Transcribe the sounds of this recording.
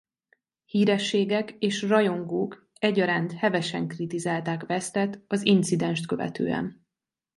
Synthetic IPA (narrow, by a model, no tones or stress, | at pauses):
hiːɾɛʃːeːɡɛkeːʃrɒjo̞ŋɡoːk | ɛɟːɒɾaːnt̪hɛvɛʃɛŋkrit̪izaːlt̪aːkvɛst̪ɛt̪ɒzint̪sid̪ɛnʃt̪kø̞vɛ̰t̪ø̰ːɛ̰n